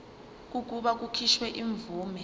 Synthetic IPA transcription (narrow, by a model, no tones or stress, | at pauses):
k̬ʼuk̬uɓak̬ukʰiʃwɛʔiɱb̪vuːmɛ